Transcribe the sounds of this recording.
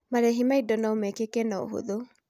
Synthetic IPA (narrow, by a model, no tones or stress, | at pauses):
maɾɛɦimaidɔnaomɛkekɛnao̰ɦo̰ðo